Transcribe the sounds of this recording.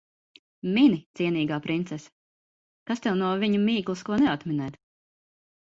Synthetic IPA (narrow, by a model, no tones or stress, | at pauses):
minit̪siɛniːɡaːpɾint̪sɛs | kast̪ɛwnuɔviɲumiːklˠuskuɔnɛat̪mɛnɛːt̪